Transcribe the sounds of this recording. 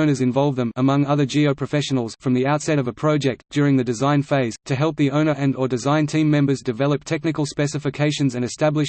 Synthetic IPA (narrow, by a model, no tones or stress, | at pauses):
ʊ̃nə˞zɨ̃ɱvɑlˠvðə̃məmʌ̃ŋʌðə˞d͡ʒioʊpʰɹ̥ɨfɛʃɨnl̩ˠz̥fɹʌ̃mðiaʊtsɛɾʌvəpʰɹ̥ɑʊd͡ʒɛk̚td̥ʊɹɪ̃ŋðɨdɨzãɪ̃nfeɪz̥tʰɨɦɛlˠp̚ðiõʊ̃nə˞ʔɨ̃nə˞dɨzãɪ̃ntʰĩmːɛ̃mbə˞zdɨvɛlˠəp̚tʰɛk̚nɨkəl̩ˠspɛsɨfɨkʰeɪʃɨ̃nzɨ̃nɨstæblɨʃ